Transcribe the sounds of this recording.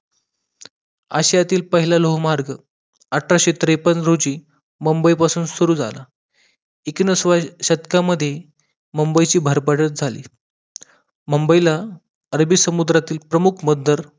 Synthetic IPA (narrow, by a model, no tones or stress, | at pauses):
a̰ɕjat̪iːlpəɦilaloɦmaɾɡ | əʈʰɾaɕet̪ɾepənɾod͡ʑiː | məmbəipasuːnd̪suɾuːd͡zʱa̰la̰ | iknəsʋaɕət̪kaməd̪ʱːje | məmbəjt͡ɕiːbʱəɾpəʈət̪̚d͡zʱalḭː | məmbəila | əɾbiːsəmud̪ɾat̪iːlpɾəmukʰməd̪ʱəɾ